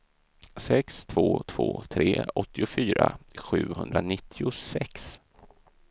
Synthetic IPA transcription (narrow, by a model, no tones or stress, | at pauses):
sɛkst̪ʰvoːt̪ʰv̥o̰ːt̪ʰɾeːɔt̪ʰːɪʊfyːɾaɧʉ̟ːhɵnd̪ɾanɪt̪ʰːɪʊsɛks